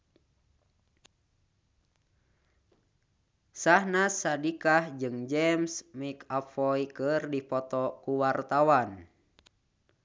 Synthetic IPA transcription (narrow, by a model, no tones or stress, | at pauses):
sahnasadikahd͡ʒɨŋd͡ʒɛmsmikafɔikərdipɔt̪ɔkuwart̪awan